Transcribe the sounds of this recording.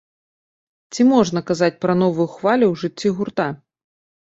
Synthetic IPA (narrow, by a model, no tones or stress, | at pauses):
t͡sʲimɔʐnɐkazat͡sʲpɾɐn̪ɔvujuxvalʲuwʐɨt͡sʲːiɣurt̪a